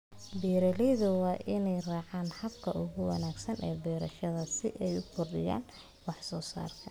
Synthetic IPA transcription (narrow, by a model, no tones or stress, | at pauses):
biːɾɐlɛjðʊwɑːʔɪnɛjraːʕɑːnhɐbkʰɐʔʊɣʊwɑ̰naːɡsɐnʔɛːbɛːɾɐʃɐðɐsɪ̰ʔɛjʊkʰʊrdɪja̰ːn | wɑħsɔːsa̰ːrkʰɐ